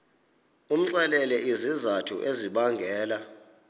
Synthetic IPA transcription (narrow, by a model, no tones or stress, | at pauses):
um̩ǀɛlɛlɛʔizizatʰṵʔeziɓaŋɡʱɛːla